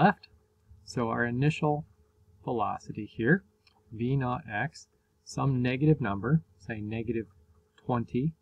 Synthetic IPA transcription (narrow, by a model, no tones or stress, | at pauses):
lɛft | soʊaʊə˞ɨnɪʃl̩ˠ | fəlɑ̰sɨɾihiɹ | binəɾɛksː | ʌ̃mnɛɡɨɾɨvnʌ̃mbə˞seɪnɛɡɨɾɨv̥ | tʰw̥ɛ̃ntʰi